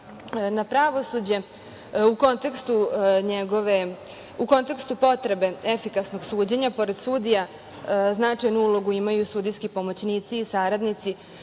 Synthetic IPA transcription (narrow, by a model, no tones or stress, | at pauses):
napɾaʋo̞sud͡ʑe̞ | uko̞nt̪e̞kst̪uɲeɡoʋe̞ | uko̞nt̪e̞kst̪upo̞t̪ɾe̞be̞efikasno̞ɡsuːd͡ʑeɲapo̞ɾe̞d̪̥suːd̪ija | znat͡ʂajnuulˠo̞ɡuimajusuːd̪ijskipo̞mo̞t͡ɕniːt̪siːsaɾad̪nit̪si